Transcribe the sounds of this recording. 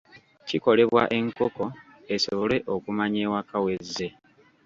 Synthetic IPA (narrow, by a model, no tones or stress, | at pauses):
ciko̞le̞βwa̰ʔe̞ŋkoko̞ | e̞so̞βo̞le̞ʔo̞kumaɲeːwakawe̞zːe̞